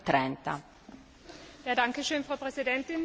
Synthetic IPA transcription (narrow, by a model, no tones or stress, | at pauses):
t̪ɾɛnt̪a̰ | jaːdaŋkəʃøːnfʁ̥aʊpʁɛzidɛntɪn